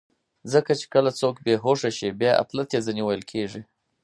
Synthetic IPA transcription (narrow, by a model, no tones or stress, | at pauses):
zəkat͡ʃe̥kəlat͡sokbeɦoʂaʃibjɑʔa̰p̪lat̪jezaniwəjlkʰeʐi